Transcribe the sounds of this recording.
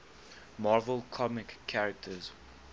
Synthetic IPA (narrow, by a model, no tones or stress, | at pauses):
mɔːvəlˠkʰɔmɪkʰːaɹək̚tʰəz